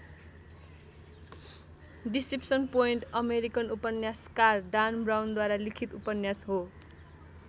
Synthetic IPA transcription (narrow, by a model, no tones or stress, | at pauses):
ɖisipsʌnpoinʈʌmeɾikʌnupʌnjaskarɖanbrawnd̪waɾalikʰit̪upʌnjasɦo